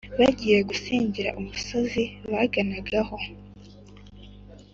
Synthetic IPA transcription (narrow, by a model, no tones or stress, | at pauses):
βaɟiːjeɡusiːɲɟiɾa̰ʔumuso̞ziβaɡanaɡaho̞